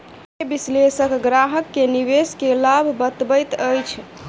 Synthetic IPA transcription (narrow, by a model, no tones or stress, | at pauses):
bislesəkɡɾaɦəkːeniʋeskelabʱbət̪bəjt̪əjt͡ʃʰ